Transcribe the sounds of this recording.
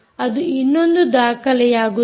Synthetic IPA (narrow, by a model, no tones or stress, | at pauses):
ɐd̪uinːond̪ud̪aːkɐlɛjaːɡu